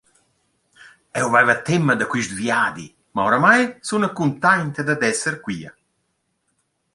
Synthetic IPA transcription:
ɛwvɛvat̪ːɛmːad̪akwiʃd̪vjaːd̪i | maowɾamajsunakunt̪ajnt̪ed̪ad̪ɛsəɾkwiːa̰

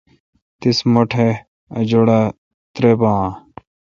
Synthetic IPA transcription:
t̪ismoʈʰe | ɐd͡ʑoɽa | t̪ɾebãː

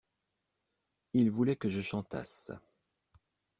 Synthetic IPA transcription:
ilvulɛkəʒəʃɑ̃t̪a̰s

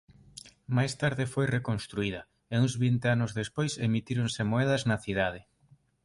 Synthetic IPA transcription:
majst̪aɾðɪfojrekonst̪ɾuiðɐ | euŋzβint̪eanʊzðespojsemit̪iɾonsemoɛð̞ɐznɐθiðað̞ɪ

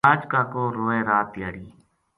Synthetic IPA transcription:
aːd͡ʒkaːkoːɾoːẽːɾaːt̪jaːɽiː

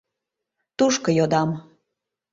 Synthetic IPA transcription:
t̪uʃkəjod̪ɑm

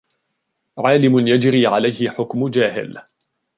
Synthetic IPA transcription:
ʕaːlɪmʊnjad͡ʒɾiːʕalajhɪħʊkmʊd͡ʒaːɦɪ̰l

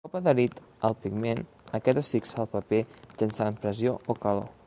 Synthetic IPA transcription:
ɔpəðəɾit̪ | əlˠpiɡmen | əkɛt̪əsiksalˠpəpesənsaəmpɾəzjookəlo̰

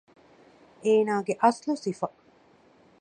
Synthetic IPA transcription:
eːnaːɡeʔɐslusifɐ

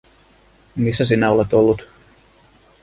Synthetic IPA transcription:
misːæsinæole̞t̪olːut̪

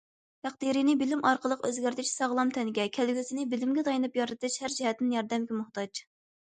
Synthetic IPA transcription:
t̪ʰæq̚d̪iɾinɪbɪlɪmʔɑɾqəlˠəqøzɡʲæɾt̪ʰɪt͡ʃsɑʁlˠɑmt̪ʰɛnɡʲɛkʲʰælɡʲysɪnɪbɪlɪmɡʲɛt̪ʰɑjnɨpjɑɾɨt̪ʰɨʃhæɾd͡ʒɛhɛt̪ːɪnjɑɾd̪ɛmɡʲɛmʊht̪ɑt͡ʃ

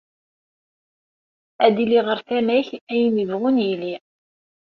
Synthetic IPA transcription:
æd̪iliʁəɾθænæçæjnəvʁʊnjili

